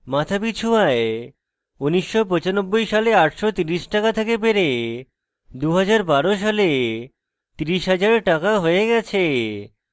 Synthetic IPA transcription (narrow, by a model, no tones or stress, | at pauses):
mat̪ʰapit͡ɕʰuae | uniʃːopɔt͡ɕanobːojʃaleaʈʃot̪iɾiʃʈakat̪ʰekebeɾe | d̪uɦad͡ʑaɾbaɾoʃ̬ale | t̪iɾiʃɦad͡ʑaɾʈakaɦoeɡɛt͡ɕʰe